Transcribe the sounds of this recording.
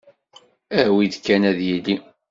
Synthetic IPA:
æwiðkːænæðjilːi

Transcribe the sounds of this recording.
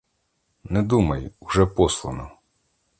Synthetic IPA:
nɛd̪umɐjʊʒɛpɔslˠɔnɔ

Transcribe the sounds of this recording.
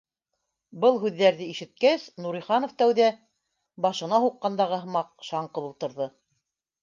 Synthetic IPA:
bɤlˠɦʉðːæɾðɘiʃɘ̆t̪̚kæsnuɾiχɑnŏft̪æwðæ | bɑʃɤ̆nɑɦuqːɑnd̪ɑʁɤɦɤ̆mɑq̚ʃɑɴqɤ̆ðulˠt̪ɤ̆ɾðɤ

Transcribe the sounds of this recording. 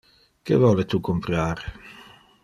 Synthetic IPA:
kḛvɔlet̪ukompɾaːɾe

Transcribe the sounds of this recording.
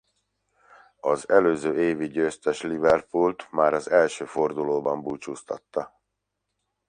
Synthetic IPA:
ɒzɛløːzøːeːviɟøːst̪ɛʃlivɛrpult̪maːɾɒzɛlʃøːfo̞rd̪uloːbɒmbuːt͡ʃuːst̪ɒ̰t̪ːɒ

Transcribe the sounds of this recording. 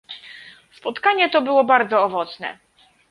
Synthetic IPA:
spɔt̪kaɲɛt̪ɔbɘwɔbaɾd̪zɔːvɔt̪snɛ̰

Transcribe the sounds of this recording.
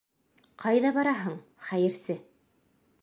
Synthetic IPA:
qʰɑjðɑbɑɾɑɦɤɴ | χæjɘ̆ɾsɘ

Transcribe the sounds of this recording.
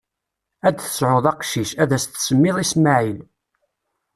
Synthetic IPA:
æd̪θə̥sʕʊðˤɑqʃiʃæðæst̪səmːɪðˤismaʕil

